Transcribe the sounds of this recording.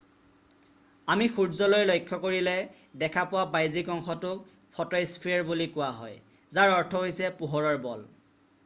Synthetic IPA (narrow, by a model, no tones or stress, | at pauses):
amixuɹzɔlɔjlojkʰːɔkoɹilɛ | dɛkʰapʊwabajzikɔŋxɔtʊk̚ | pʰɔtajspʰiɛɹbulikʊwaɦɔj | zaɹɔɹtʰɔɦojsɛpuɦɔɹɔɹbɔl